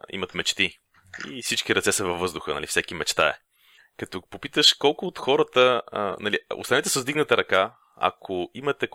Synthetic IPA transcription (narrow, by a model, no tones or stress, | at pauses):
ḭmɐt̪mɛt͡ʃt̪i | ḭfsit͡ʃkiɾɐt̪sɛsəvɐvːɤzd̪ʊxənɐ̰lifsɛkimɛt͡ʃt̪aɛ̰ | kɐt̪ɔpopit̪əʃkɔlˠkʊːt̪xɔɾət̪ənɐlio̰st̪ɐnɛt̪ɛsəzd̪iɡnət̪əɾɐka | ɐ̰kʰoimɐt̪ɛ